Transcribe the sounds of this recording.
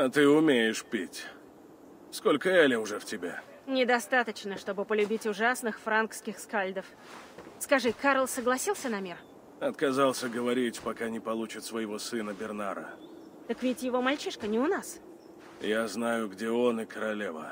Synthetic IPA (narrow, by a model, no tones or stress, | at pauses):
ɐt̪ɨʊmʲejɪʂpʲitʲ | sko̞lʲkəɛlʲɪʊʐɛftʲɪbʲa | nʲɪd̪ɐst̪at̪ət͡ɕnəʂt̪o̞bɨpəlʲʉbʲitʲʊʐasnɨxfɾankskʲɪxskalʲd̪əf | skɐʐɨkaɾəlˠsəɡlˠɐsʲilˠsʲənɐmʲir | ɐt̪̚kɐzalˠsʲəɡəvɐɾʲitʲpakanʲɪpɐlˠut͡ɕɪt̪svəjɪvo̞sɨnəbʲɪrnaɾə̰ | t̪əkvʲɪtʲjɪvo̞malʲt͡ɕiʂkənʲɪʊnas | jaznajʊɡdʲeo̞nɨkəɾɐlʲevə̰